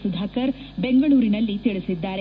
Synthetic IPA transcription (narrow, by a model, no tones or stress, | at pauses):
sud̪ʱaːkɐɾ | beŋɡɐɭuːɾinɐlːit̪iɭisid̪ːaːɾe